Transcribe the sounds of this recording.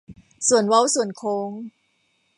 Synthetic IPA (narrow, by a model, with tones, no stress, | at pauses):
su˨˩ənwa˦˥wsu˨˩ənkʰoː˧ŋ